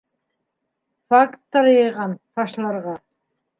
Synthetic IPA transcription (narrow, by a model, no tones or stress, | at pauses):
fakt̪ːɑɾjɤ̆jʁɑnt̪ɑʃlˠɑɾʁɑ